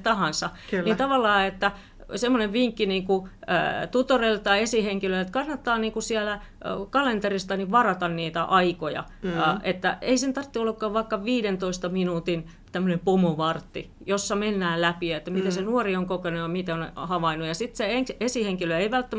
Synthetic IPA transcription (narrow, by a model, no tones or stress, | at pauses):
t̪ɑhɑnsɑkːnit̪ɑʋɑlːɑːet̪ːæ | semːoneʋʋiŋkːiniːŋkṵ | t̪ut̪orelt̪ɑiesiheŋkilølet̪kɑnːɑt̪ːɑːniːŋkusiælækɑlent̪erist̪ɑniʋɑrɑt̪ɑnniːt̪æʔɑikojɑ̰ | ʔet̪ːæeisent̪ɑrt̪ːiolːɑkːɑːʋʋɑikːɑʋiːɾent̪oist̪ɑminuːt̪in | t̪æmːønempomoʋɑrt̪ːḭ | josːɑmenːæːllæpiet̪ːæmit̪esenuorioŋkokenujɑmit̪eonhɑʋɑinujɑsit̪seeŋesiheŋkiløeiʋælt̪ːæm